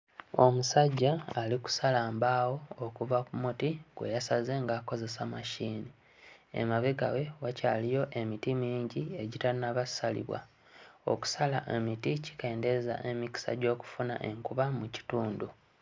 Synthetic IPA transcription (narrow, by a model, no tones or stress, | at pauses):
o̞̰musaɟːaːliku̥salaːmbawo̞ːkuvakumutiɡwḛjasaze̞ŋɡaːko̞ze̞samaʃiːni | ḛmaβeɡa̰we̞wacaːlijo̞ʔe̞mitimiːɲɟie̞ɟitanaβasalḭβwa̰ | o̞̰ku̥salaʔemitici̥ke̞ːnde̞za̰ʔe̞miki̥sa̰ɟo̞ːku̥funa̰ʔe̞ŋkuβamuci̥tuːndu